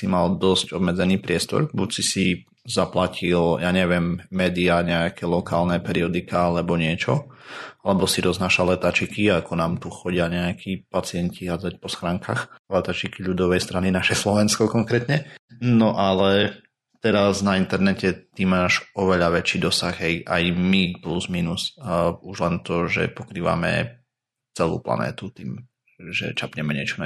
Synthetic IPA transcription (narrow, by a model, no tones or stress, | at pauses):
simald̪ɔsɟɔbmɛd͡zɛniːpɾɪɛst̪ɔ̰ɾbucsisi | zaplacʰiljaːɲɛʋɪɛmːɛːd̪iaɲɛakɛlɔkaːlnɛpɛɾiɔd̪ikaalɛbɔɲɪɛt͡ʃɔalɛbɔsiɾɔznaːʃalɛt̪at͡ʃikiakɔnaːmt̪uxɔɟɪaɲɛakʰipat͡sɪɛɲciɦad͡zac̚pɔsxɾaːŋka̰xlɛt̪at͡ʃikiʎud̪ɔʋɛjst̪ɾaninaʃɛslɔʋɛnskɔkɔŋkɾɛt̪ɲɛnɔʔalɛ | t̪ɛɾaznaint̪ɛɾnɛcɛt̪imːaːʒɔʋɛʎaʋɛt͡ʃiːd̪ɔsaɣɦɛjʔa̰jmipluzmiːnusuʒlɛnt̪ɔʒɛ̰pɔkɾiːʋa̰mɛ̰ | t͡sɛlṵːpla̰nɛ̰ːt̪ut̪ḭːm | ʒɛ̰t͡ʃapɲɛmɛɲɪɛt͡ʃɔ